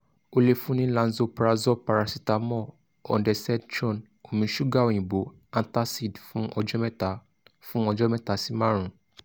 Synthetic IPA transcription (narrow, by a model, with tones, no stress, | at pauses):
o˧le˧fũ˦nĩ˦lã˨˦n̩˦zo˧pɾa˧zɔ˦pa˨ɾa˧si˦ta˨mɔ˦˨ | ɔ̰˨ndɛ˨sɛ˦dd͡ʒɔ˦˨n | o˨mĩ˧ʃu˦ɡa˦o˨j̃ĩ˨bo˨˦ | ã˧nta˦si˦˨dfũ˦ʔɔ˧d͡ʒɔ˦mɛ˦ta˨˦ | fũ˦ɔ˧d͡ʒɔ˦mɛ̃˦ta˨˦si˨˦mã˦ɾ̃ũ˨